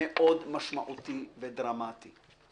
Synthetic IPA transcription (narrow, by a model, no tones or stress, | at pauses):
eʔod̪maʃmaʔut̪ived̪ɾamat̪i